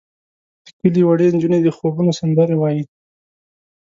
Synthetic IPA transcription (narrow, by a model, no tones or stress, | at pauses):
d̪̥ə̥kəliwaɽend͡ʒuned̪əxobunosɪnd̪aɾewɑji